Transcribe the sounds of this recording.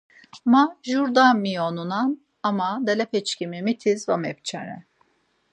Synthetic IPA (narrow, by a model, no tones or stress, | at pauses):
maʒuɾd̪amːionunan | amad̪elʲɛpʰɛt͡ʃcʲʰimimit̪ʰizvamɛp̚t͡ʃʰanɛ̰